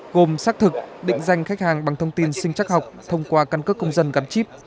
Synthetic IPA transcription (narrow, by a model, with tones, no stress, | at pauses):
ɣo˨˩msaː˦˥k̚t̪ʰɨ˨˩k̚ɗḭ˧˨ŋ̟za˧jŋ̟xa˦˥k̚haː˨˩ŋɓa˨˩ŋt̪ʰə˧wŋ͡mt̪i˧nsï˧ŋ̟t͡ɕa˦˥k̚ɦa˨˩wk͡p̚t̪ʰə˧wŋ͡mkwaː˧ka˧nkə˦˥kːə˧wŋ͡mzə˧nɣa˨˦nt͡ɕi˦˥p̚